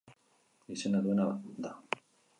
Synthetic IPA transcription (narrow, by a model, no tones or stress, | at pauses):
isenaðuenaβa̰d̪a